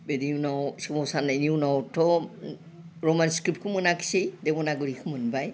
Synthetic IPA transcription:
bediunawsimɔsaneniunawtʰɔ | ɹɔmanskɹip̚t̚kʰɯmɯnaki̥sejdebɔnaɡɯɾikʰɯmɯnbaj

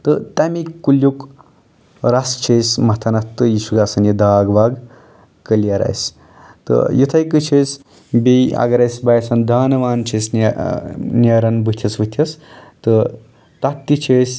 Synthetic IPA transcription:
t̪ɨt̪ɐmikkːuljuk | ɾast͡ʃʰeːsmɐt̪ʰɐnɐt̪ɨjiʃuɡaːsɐnjid̪aːɡʋaːɡ | kəlijaɾa̰js | t̪ə̰jut̪ʰɐjkɨt͡ʃʰeːs | beɐ̰ɡɐɾɐjsbaːjsɐnd̪ʱaːnɐʋaːnt͡ʃʰesn | nɐɾɐnbɨt̪ʲʰjɐsʋɨt̪ʲʰjɐst̪ɨ | t̪ɐk̚t̪ːit͡ʃʰeːs

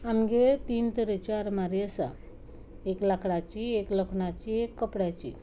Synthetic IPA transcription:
amɡet̪iːnt̪əɾet͡ɕaɾmaɾiəsa̰ | eklakʰɽat͡ɕiekləkʰɳat͡ɕiekːəpɽjat͡ɕḭ

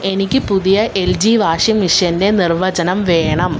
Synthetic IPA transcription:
e̞nikʲːɨpuðijɐʔe̞ld͡ʑiʋaːʂjɐmiʂjɐnde̞nirʋɐd͡ʑɐnɐmʋeːɳɐm

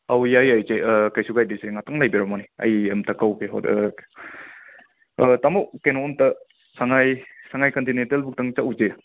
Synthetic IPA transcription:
awjajajt͡ʃekajsuɡajdiseŋatʰaŋlajbiɾɔmaniɐ̰jɐmtʰɐkawkeɦɔ̰ | tamowkenoːmtɐ | saŋajsaŋajkontinentelbuk̚taŋt͡ʃaʔwuze

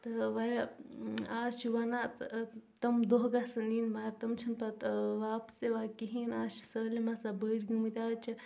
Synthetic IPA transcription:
t̪ɐʋaɾa | aːst͡ʃʰiʋanat̪t̪ɐmd̪oɦɡasɐninmat̪ɐmt͡ʃʰinpat̪ʋaːpseʋakiɦinaːst͡ʃʰi̥səlimasabəɽɡimɨt̪ʲat͡ʃʰi

